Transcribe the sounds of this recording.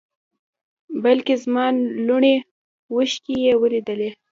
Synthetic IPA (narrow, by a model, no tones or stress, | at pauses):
balkezmɑnluɳe | wəʃkijewəlid̪əle